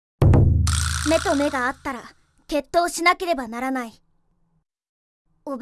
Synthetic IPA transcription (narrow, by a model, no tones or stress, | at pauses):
me̞t̪o̞me̞ɡaːt̪ːaɾa | ke̞t̪ːo̞ːɕinake̞ɾe̞banaɾanai | ob